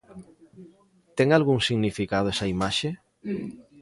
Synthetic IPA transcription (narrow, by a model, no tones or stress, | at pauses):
t̪eŋalɣuŋsiɣnifikaðoesɐimaʃe